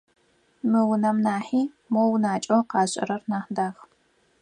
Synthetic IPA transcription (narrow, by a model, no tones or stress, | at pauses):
mɨwʊnɐmnaːħiː | mownaːt͡ʃʼɐwqɑːɕʼɐ̰ɾɐrnaːħdaːx